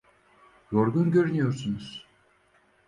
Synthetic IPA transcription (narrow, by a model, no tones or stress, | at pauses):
joɾɡunɟøɾynyjoɾsunuz̥